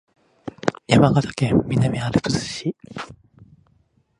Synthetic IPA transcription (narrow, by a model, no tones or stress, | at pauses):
jamaɡat̪ḁkẽmmːʲinamʲiaɾɯpɨzɨ̥ɕi